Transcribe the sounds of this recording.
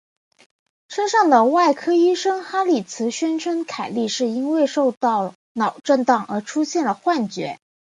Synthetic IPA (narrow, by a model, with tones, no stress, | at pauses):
ʂə˥nʂɑ˥˩ŋd̪ə˩wa˥˩ɪkʰɤ˥y˥ʂɤ˥ŋxa˥li˨˩t͡sʰɹ̩˧˥ɕɥɛ˥nʈ͡ʂʰwə˥nkʰa˨˩ɪli˥˧ʂɻ̩˥˩i˥nwe˥˧ɪʂo˥˧ʊt̪ɑ˥˩ʊ | nɑ˨˩ʊʈ͡ʂə˥˧nt̪ɑ˥˩ŋə̰˞˧˥ʈ͡ʂʰu˥ɕjɛ˥˩nlə˩xwa˥˩nt͡ɕɥɛ̰˧˥